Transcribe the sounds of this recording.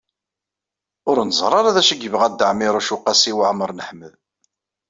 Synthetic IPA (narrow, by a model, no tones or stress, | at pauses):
ʊɾnəzˤɾˤɑɾaðæʃəɡəvʁæd̪əʕmiɾˤʊʃuqːæsiwʕməɾˤnəħməð